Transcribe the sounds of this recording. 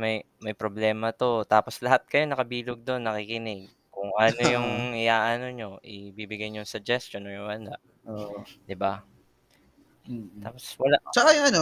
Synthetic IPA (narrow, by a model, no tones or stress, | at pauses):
mɐj | mɐjpɾoblɛːmɐt̪o̞t̪aːpo̞slɐɦat̪̚kɐjo̞nɐkɐbiːloɡ̚d̪o̞nːɐkikɪnɪɡ̚ | kʊŋʔɐnojʊŋɪʔaːʔɐnoɲo̞ʔɪbiːbɪɡajɲʊŋsʊd͡ʒɛst̪onoɹjʊŋɐnd̪a̰ʔ | od̪ɪba | t̪aːposwɐlasɐajʊŋɐno